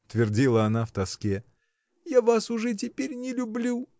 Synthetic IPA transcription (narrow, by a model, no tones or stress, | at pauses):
ʊt̪vʲɪrdʲilˠəɐnaft̪ɐskʲe | javasʊʐɛt̬ʲɪpʲeɾʲnʲɪlʲʊblʲu